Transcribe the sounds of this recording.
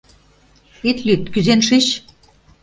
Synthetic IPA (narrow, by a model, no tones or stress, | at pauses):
it̪lʲyt̪kyzenʃiɕ